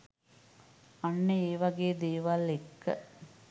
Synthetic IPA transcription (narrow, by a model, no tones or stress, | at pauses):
ɐɳːeeːʋɐɡeːd̪eːʋaːlekːɐ̰